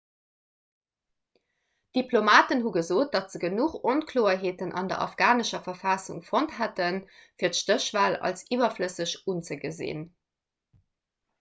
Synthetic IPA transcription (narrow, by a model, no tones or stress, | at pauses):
d̥iplomaːtənɦuɡəzoːt̚d̥ɑtz̥əɡənuχonkʰloːɐɦeːtənʔɑ̰ndɐ̰ʔɑ̰fɡ̥aːnəʃɐfɐfɑːsṵŋfonthætənfiːɐtʃtəʃv̥aːlɑ̰lsiːvɐfləsəɕunt͡səɡəzḛːn